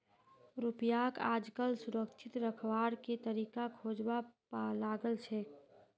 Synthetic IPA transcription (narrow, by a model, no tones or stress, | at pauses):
ɾupjakad͡ʒkəlsuɾəkt͡ʃʰit̪ɾəkʰʋaɾket̪əɾikakʰod͡ʒbapalaɡəlt͡ʃʰɛ